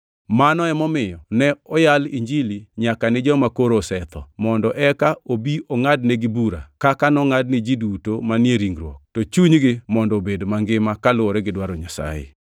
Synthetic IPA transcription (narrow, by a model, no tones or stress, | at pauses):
manɔɛmɔmɪjɔnɛɔjalḭɲd͡ʒiliɲakanɪd͡ʒɔmakoɾosɛt̪ʰɔmɔndɔʔɛkaobiʔɔŋadneɡɪbuɾa̰kakanɔŋad̚nɪd͡ʒidutomanjeɾiŋɡɾwɔ̰k̚tɔt͡ʃuɲɡɪmɔndɔbedomaŋɡɪmakalʊɔɾɛɡɪdwaɾoɲasa̰jḛ